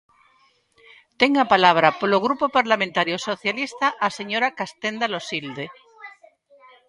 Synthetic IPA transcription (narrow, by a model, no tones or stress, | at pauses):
t̪eŋapalaβ̞ɾapoloɣ̞ɾupopaɾlamẽnt̪aɾjosoθjalist̪aʔaseɲoɾakast̪end̪alosild̪e